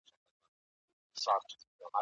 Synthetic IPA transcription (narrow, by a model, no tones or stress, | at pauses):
satʰu̥ama